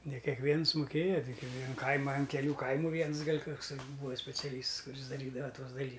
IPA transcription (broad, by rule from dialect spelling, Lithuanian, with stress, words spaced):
nʲɛ kʲɛkˈʋʲiɛns mʊˈkʲeːjɛ ˈtʲɪk ɪ ʋʲiɛn ˈkɐɪmɐ ɐn kʲɛˈlʲuː ˈkɐɪmʊ ˈʋʲiɛns ˈɡɐlʲ ˈkʊks ˈbuːɐ sʲpʲɛt͡sʲɛˈlʲiːsts kʊˈrʲɪs dɐˈrʲiːdɐʋɐ ˈtuɔs dɐˈlʲiː